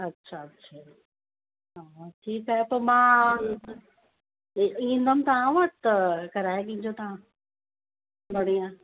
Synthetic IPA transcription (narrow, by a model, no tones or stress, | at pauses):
ɐtːʃʰaɐtːɕʰa | ɦaːʈʰiːkaːɦepɐɾmãː | ĩnd̪əmt̪ɐãʋəʈt̪ɐkɐɾaːekĩːɲd͡ʑot̪ɐã | bɐɽiã